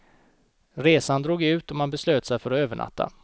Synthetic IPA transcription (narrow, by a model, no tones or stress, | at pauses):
ɾeːsand̪ɾoːɡʉ̟ːt̪ɔmanbɛsløːt̪sɛjfœɾɔøːvəɳa̰t̪ːa̰